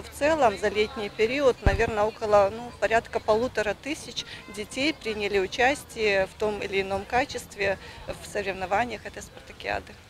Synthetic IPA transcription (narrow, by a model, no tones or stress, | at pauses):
ft̪sɛlˠəmzɐlʲetʲnʲɪjpʲɪɾʲiət̪nɐvʲe̞rnəokəlˠənupɐɾʲat̪kəpɐlˠut̪əɾət̪ɨsʲɪt͡ɕdʲɪtʲejpɾʲɪnʲɪlʲɪʊt͡ɕæsʲtʲɪjəft̪omɪ̰lʲɪːno̞mkat͡ɕɪst̪vʲɪfsəɾʲɪvnɐvanʲɪjəxɛt̪əjspɐrt̪əkʲɪa̰d̪ɨ